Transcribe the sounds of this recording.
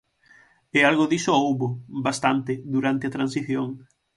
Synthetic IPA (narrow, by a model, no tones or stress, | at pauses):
ealɣoðisoowβobast̪ant̪ɪd̪uɾant̪eɐt̪ɾansiθjoŋ